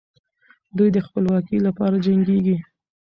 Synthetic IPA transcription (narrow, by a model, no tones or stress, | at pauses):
d̪ujd̪əxpəlwɑkilapɑɾad͡ʒaŋɡeɡi